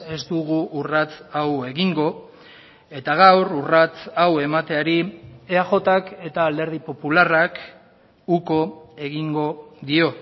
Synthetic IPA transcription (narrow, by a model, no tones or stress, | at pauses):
e̞zd̪uɣuːrat͡sawe̞ɣiŋɡo̞ | e̞t̪aɣ̞awrurat͡sawe̞mat̪e̞aɾieaxo̞t̪ake̞t̪aːld̪e̞ɾð̞ipo̞pularak | uko̞e̞ɣiŋɡo̞ðio̞